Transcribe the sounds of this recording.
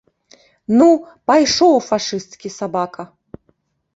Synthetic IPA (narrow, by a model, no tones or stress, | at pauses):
nu | pajʂɔwfaʂɨst̪kʲisabakʰɐ